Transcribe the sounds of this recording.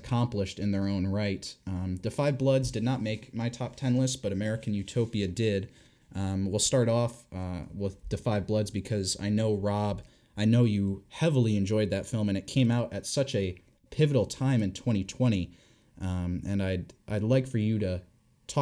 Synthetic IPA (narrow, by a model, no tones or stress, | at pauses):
kʰɑ̃mpləʃtɨ̃nðə˞õʊ̃nɹaɪtðɨfaɪvblʌdzdɨdⁿnət̚meɪkmaɪtʰɑp̚tʰɛ̃nlˠəsb̥ʌɾɨmɛɹɨkɨ̃n̩jʉtʰoʊpiɨdɪd | wilˠstɑɹɾɔfwɪððɨfaɪvblʌdzbɨkʰʌza̰ɪnoʊɹɑb | aɪnoʊjɨhɛvl̩ˠiɨ̃nd͡ʒɔɪd̪̚ðɨtfɪl̃ˠmɨ̃ñɨt̚kʰẽɪ̃maʊɾʔɨtsʌt͡ʃɨ | pʰɪvɨɾl̩ˠtʰãɪ̃mɨ̃ntʰw̥ɛ̃ɾ̃itʰw̥ɛ̃ɾ̃i | ɨ̃naɪdʔaɪdˡlaɪkfə˞jɨɾɨ | tʰɔ